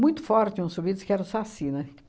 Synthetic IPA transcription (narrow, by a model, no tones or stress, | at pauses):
mũj̃t̪ʊ̥fɔɾt͡ʃ̪ɪũsuvid̪ʊskɪɛɾɐ̃sasĩnɐk